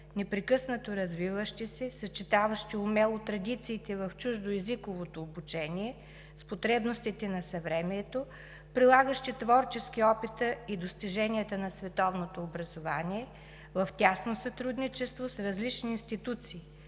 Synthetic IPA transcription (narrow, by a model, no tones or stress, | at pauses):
nɛpɾɛkɤsnət̪oɾɐzvivəʃt̪isɛsɐt͡ʃit̪avəʃt̪iʊmɛlˠot̪ɾɐd̪it̪siːt̪ɛvɐft͡ʃuʒd̪oɛzikovot̪oːbut͡ʃɛniɛ | spot̪ɾɛbnost̪it̪ɛnɐsɐvɾɛmiɛt̪o | pɾilˠaɡəʃt̪it̪vɔɾt͡ʃɛskiɔpit̪əid̪ost̪iʒɛnʲiɐt̪ənɐsvɛt̪ɔvnot̪oːbɾɐzovaniɛ | vɐft̪ʲasnosɐt̪ɾud̪nit͡ʃɛst̪vosɾɐzlit͡ʃniːnst̪it̪ut̪siː